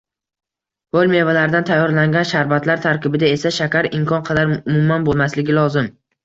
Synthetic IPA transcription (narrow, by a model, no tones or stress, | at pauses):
holʲme̞valaɾd̪ant̪ʰajːɒɾlaŋɡʲanʃaɾbat̪ʰlaɾt̪ʰaɾkʲɪbɪd̪ae̞saʃakʲʰaɾɪmkʰɒnqʰɑd̪aɾʊmʊmːanbolˠmaslɪɡʲɪlɒzɪm